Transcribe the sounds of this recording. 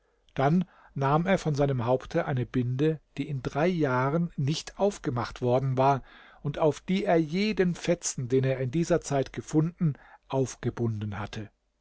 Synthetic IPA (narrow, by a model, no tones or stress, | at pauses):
d̥anː | aːmeːɐfɔnzaɪnəmɦaʊptʰəʔaɪnəbɪndəd̥iːɪndʁaɪjaːʁənːɪçtʰʔaʊfɡ̥əmaχtv̥ɔɐdn̩vaːɐʔʊntaʊfd̥iːeːɐjeːdənfɛt͡sn̩deːneːɐɪndiːzɐt͡saɪtɡ̥əfʊndn̩ʔaʊfɡ̥əbʊndn̩hatʰə